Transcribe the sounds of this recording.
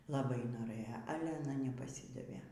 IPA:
lˠɐˈbɐɪ noːˈrɘjoː ˈɑːlʲɛ ɐˈnɐ nʲɛpɐˈsʲiːdɐʋʲeː

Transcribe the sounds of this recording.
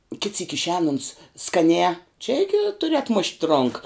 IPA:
kʲɪt sʲiːk ɪʃʲˈɛːn ʊns skɐˈnʲɛː t͡ʃʲɛ ˈɪɡʲɪ tʊˈrʲɪ ɐtˈmʊʃʲtʲ ˈroːŋkɐ

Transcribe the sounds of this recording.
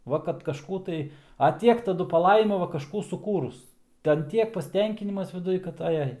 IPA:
ˈʋɐ kɐt kɐʃˈkuː tɐɪ ɐ ˈtʲiɛk tɐˈdʊ pɐˈlˠɐɪmɐ ˈʋɐ kɐʃˈkuː sʊˈkuːrʊs ˈtʲɛn ˈtʲiɛk pɐsʲˈtʲɛŋʲkʲɪnʲɪmɐs ʋʲɪˈdʊj kɐt ɐˈjɛɪ

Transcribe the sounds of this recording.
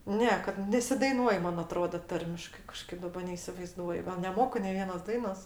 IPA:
ˈnʲɛ kɐt nʲɛsʲɪdɐɪˈnuɔj ˈmɐn ɐˈtroːdɐ ˈtɐrʲmʲɪʃkɐɪ kɐˈʃkɐɪp dɐˈbɐ nʲɛɪsʲɪʋɐɪˈzduɔjʊ ɡɐlˠ nʲɛˈmoːkʊ nʲɛɪ ˈʋʲiɛnoːs ˈdɐɪnoːs

